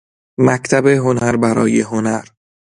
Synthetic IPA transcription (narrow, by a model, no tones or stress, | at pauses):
mækt̪ʰæbeɦonæɾbæɾɒ̰ːjeɦonæɾ